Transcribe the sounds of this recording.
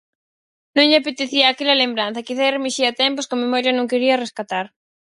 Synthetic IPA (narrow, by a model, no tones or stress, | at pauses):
nõŋʎɪapet̪eθiɐːkelɐlembɾan̟θɐkiθaremiʃiɐt̪ɛmposkomemɔɾjɐnõŋkeɾiɐreskat̪aɾ